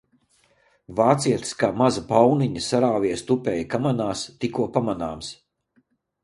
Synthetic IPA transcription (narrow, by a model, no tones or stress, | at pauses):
vaːt̪siɛt̪skaːmazɐpawniɲɐsaɾaːviɛst̪upʲɛjkamanaːst̪ikuɔpamana̰ːms